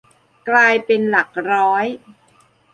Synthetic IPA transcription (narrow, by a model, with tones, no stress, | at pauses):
klaː˧jpe˧nla˨˩k̚ɾɔː˦˥j